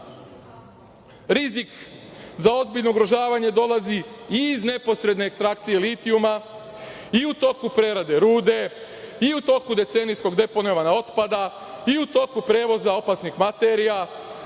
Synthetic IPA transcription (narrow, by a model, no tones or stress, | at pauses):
ɾizikzao̞zbiʎnouɡɾoʒaːʋaɲe̞d̪o̞laziiːzne̞po̞sɾe̞d̪ne̞ːkst̪ɾak̚t̪sije̞lit̪iuma | iut̪o̞kupɾe̞ɾad̪e̞ɾuːd̪e̞ | iut̪o̞kud̪e̞t̪se̞nijsko̞ɡd̪e̞ponoʋanao̞t̪pad̪a | iut̪o̞kupɾe̞ʋo̞zao̞pasnixmat̪eɾija